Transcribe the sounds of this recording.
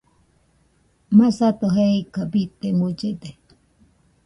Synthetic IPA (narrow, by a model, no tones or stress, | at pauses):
masat̪oɦeikabit̪emut͡ʃed̪e